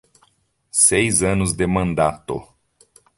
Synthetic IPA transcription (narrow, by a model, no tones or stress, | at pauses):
sejzɐ̃nʊzd̪ɪmɐ̃nd̪at̪ʊ̰